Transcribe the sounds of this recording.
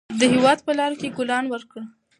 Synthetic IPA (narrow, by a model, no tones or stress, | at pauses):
d̪əhewɑd̪̚pəlɑɾokeɡʊlɑnwəɾkəɽ